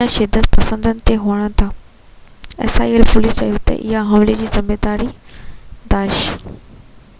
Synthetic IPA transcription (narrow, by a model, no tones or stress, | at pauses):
aʃɪd̪ːət̪pɐsə̃nd̪ənɪ̆t̪eɦoːəɽ̃̆t̪ʰaː | ɛ̰ːsa̰ːiəlpʊlist͡ɕa̰ːjut̪ɐ̰ʔɪ̰ɦaɦɐ̃mled͡ʑiːzɐmeːd̪aːɾi | d̪aːʃ